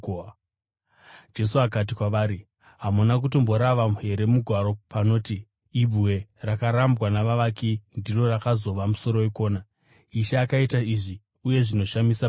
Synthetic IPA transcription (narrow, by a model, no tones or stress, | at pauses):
d͡ʒe̞suakat̬ikwaʋaːɾi | ɦamunak̬uto̞mbo̞ɾaʋamuɦe̞ɾe̞muɡʱwaɾo̞pano̞ːtiː | bʱuwe̞rakaɾambɣanaʋaʋakindiro̞rakazo̞ʋamuso̞ɾo̞eko̞ːna | iʃaːkaitaiʐi | uje̞ʐino̞ʃamisa